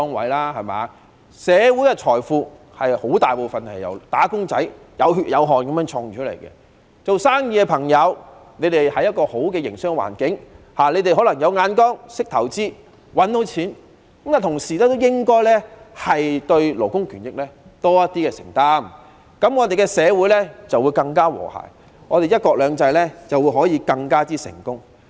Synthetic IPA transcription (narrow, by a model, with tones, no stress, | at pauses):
ɔː˥ŋwɐ̰˨˥jlaː˥hɐ˨˩ma̰ː˨˧ | sɛː˨˧wuː˨˥jkɛ˧t͡ʃʰɔː˨˩jfuː˧ | hɐ˨jho˨˥wt̪aː˨jpo˨wfɐ˨˩nhɐ˨˩jjɐ̰˨˩wt̪aː˨˥kʊ˥ŋt͡sɐ˨˥j | jɐ˨˧wɦy˨jɐ˨˧wɦɔː˨nkɐ˨˦mjœː˧˥ŋt͡ʃʰɔː˧ŋ˨t͡ʃʰɵ˥tle˨˩jkɛ̰˧ | t͡so˨wsaː˥ŋjiː˧kɛ˧pʰɐ˨˩ŋjɐ˨˧wne˨˧jt̪e˨jhɐ˨˩jɐ˥t̚kɔː˧ho˨˥wkɛː˧jɪ˨˩ŋsɪ˥ŋwa̰ː˨˩nkɪ˨˥ŋ | haː˨˩le˨˧jt̪e˨jɦɔː˨˥lɐ˨˩ŋjɐ˨˧wŋaː˨˧nkɔː˥ŋsɪ˥k̚t̪ʰɐ˨˩wt͡siː˥ | wɐ˨˥nt̪o˨˥wt͡sʰiː˨˥n | kɐ˨˥mkaː˨t̪ʰʊ˨˩ŋsiː˨˩lɛː˥t̪o˥wjɪ˥ŋkɔː˥jlɛ˥hɐ˨jt̪ɵ˧ɥlo˨˩kʊ˥ŋkʰyː˨˩njɪ˨k̚lɛː˥t̪ɔː˥jɐ˥t̪iː˥kɛː˧sɪ̰˨˩ŋt̪aː˥m | kɐ˨˥mŋɔː˨˧t̪e˨jkɛ˧sɛː˨˧wuː˨˥jlɛ˥t͡sɐ˨wːu˨˧jkɐ˧ŋkaː˥wɔ̰ː˨˩ha̰ː˨˩j | ŋɔː˨˧ɾe˨jɐ˥t̚kɔː˧k̚lœː˨˧ŋt͡sɐ˧jlɛː˥t͡sɐ˨wu˨˧jɦɔː˨˥jiː˧kɐ˧ŋkaː˥t͡siː˥sɪ̰˨˩ŋkʊ˥ŋ